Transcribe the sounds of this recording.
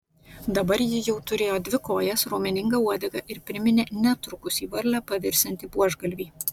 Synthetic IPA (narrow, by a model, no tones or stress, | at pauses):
d̪ɐbɐɾjɪjɛʊt̪ʊɾʲeːjoːd̪ʲʋʲɪkoːjɛsɾoːmʲɪnʲɪŋɡɐuɔd̪ʲɛɡɐʔɪɾpʲɾʲɪmʲɪnʲeːnʲɛt̪ɾʊkʊsiːʋɐɾʲlʲæːpɐʋʲɪɾʲsʲɛnʲt̪ʲiːbuɔʒɡɐlʲʋʲiː